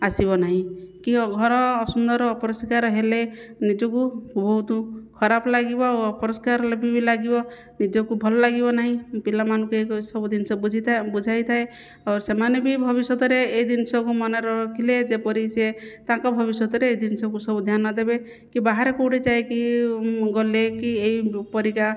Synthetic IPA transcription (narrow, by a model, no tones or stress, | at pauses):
asibɔnaɦĩkĩɔɡʱɔɾɔːsund̪ɔɾɔːpɔɾɔskaɾɔɦele | nid͡ʒɔkuubʱɔɦut̪ukʰɔɾaplaɡibɔoɔpɔɾɔskaɾlebʱibilaɡibɔ | nid͡ʒɔkubʱɔlɔlaɡibɔnaɦĩpilamanũkueksɔbud̪insɔd͡ʒʱibud͡ʒʱajt̪ʰae | aɾsemanebibʱɔβisɔt̪ɔɾeːjd̪insɔkumɔneɾɔɾɔkʰiled͡ʒepɔɾiset̪ãŋkɔbʱɔbisɔt̪ɔɾeːjd̪insɔkusɔbud̪ʱjanɔd̪ebe | kibaɦaɾekoɽit͡ʃaeki | ɡɔlekieipɔɾika